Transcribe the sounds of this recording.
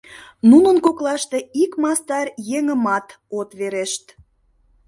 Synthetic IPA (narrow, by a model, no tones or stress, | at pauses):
nunənkoklɑʃt̪eikmɑst̪ɑrjeŋəmɑt̪ | ot̪βeɾeʃt̪